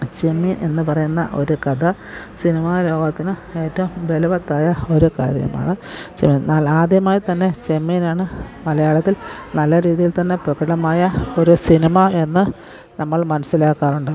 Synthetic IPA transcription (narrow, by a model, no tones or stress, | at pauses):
t͡ɕemːinʔe̞̰nːɨpɐrɐjunːɐ̰ʔo̞̰ɾukɐd̪ɐ | sinimaːlo̞ːɡɐt̪ːinɨe̞ːtːɐʋumʋelɐʋɐt̪ːaːjɐo̞ɾuka̰ːɾjɐ̰ma̰ːɳɨt͡ɕḛmːinalaːd̪jɐmaːjit̪ɐnːe̞t͡ɕemːinaːɳɨmɐlɐjaːɭɐt̪ːilnɐlːɐɾiːðijilt̪ɐnːe̞prɐkɐɽɐmaːjɐo̞ɾusinimɐe̞nːɨ | nɐmːɐɭmɐnɐsilaːkːaːruɳɖɨ